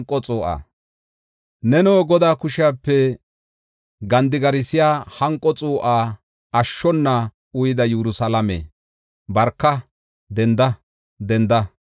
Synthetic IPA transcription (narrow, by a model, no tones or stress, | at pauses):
ŋkʼːɔt͡sʼoːʔa̰ː | nɛnoːɡɔd̪aːkʊʃɪaːpːɛ | ɡɐnd̪ɪɡɐɾɪsɪjaːhɐŋkʼːɔt͡sʼoːʔaː | ɐʃːɔnːɐ | ʊjɪd̪ɐjɛɾʊsɐlɐmḛː | bɐɾkːɐ | d̪ɛnd̪ɐ | d̪ɛnd̪ɐ